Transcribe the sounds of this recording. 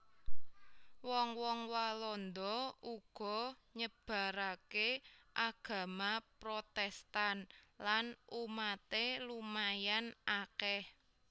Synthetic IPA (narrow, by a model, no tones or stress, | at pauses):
wɔŋwɔŋwalɔnd̪ɔuɡ̥ɔ̤ | ɲəb̥a̤ɾakeʔaɡ̥ä̤mapɾot̪ɛst̪anlanʔumat̪elumajanakɛh